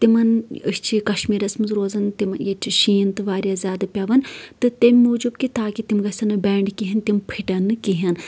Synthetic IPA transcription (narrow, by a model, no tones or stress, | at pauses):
t̪imɐnə̰st͡ʃʰikɐʃmiːɾɐsmɨnzɾoːzɐnt̪imɐnjet͡ʃʰiʃiːnt̪ɨʋaːɾjaːzʲaːd̪ɐpʲaʋɐnt̪ɨt̪emʲːuːd͡ʒubkit̪aːkit̪imɡɐsɐnɐbeːɳɖkiɦint̪impʰiʈɐnːɨkiɦɐn